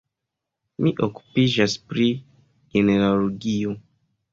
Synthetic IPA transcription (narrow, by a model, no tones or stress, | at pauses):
miʔoku̥piʒaspɾi | ɡeneɾaloɡio